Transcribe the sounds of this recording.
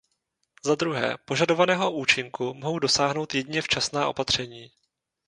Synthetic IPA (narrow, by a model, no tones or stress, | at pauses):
zad̪ɾuɦɛ̰ːpo̞ʒado̞vanɛːɦo̞ʔuːt͡ʃɪŋkumoɦo̞wdo̞saːɦno̞wt̪jɛdɲɛft͡ʃasnaːʔo̞pat̪r̝̥ɛɲiː